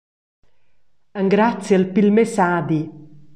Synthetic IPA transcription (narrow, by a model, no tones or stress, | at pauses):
əŋɡɾat̪sjəlpilmesad̪i